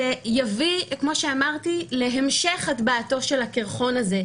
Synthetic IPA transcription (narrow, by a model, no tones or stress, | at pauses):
ejavikmo̞ʃeamaʁt̪ileɦemʃeχatbaːto̞ʃelakiʁχo̞naze̞